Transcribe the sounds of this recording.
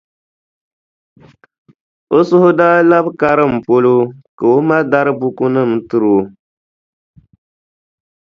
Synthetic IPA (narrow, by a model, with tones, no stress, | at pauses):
o˦sʊ˦hʊ˦daː˦la˦bka˦ɾɨ˦˨m̩˨po˦lo˦ka˨o˦ma˦da˦ɾɨ˦bu˦ku˦nɨ˦˨m̩˦tɨ˦ɾo˨